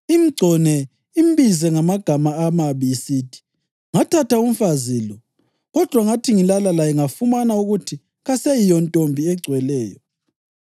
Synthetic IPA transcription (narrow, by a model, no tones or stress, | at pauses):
im̩ɡ͡ǀʱɔnɛ | imbizɛŋamaɡ̥ʱamaːmaβisiːtʰi̥ | ŋatʰatʰaum̩faziːlɔ | ɣɔd̥ʱwaŋatʰiŋilalalajɛŋafumanauɣutʰi | ɣasejijɔntʼombʱiɛɡ͡ǀʱwɛlɛːjɔ̰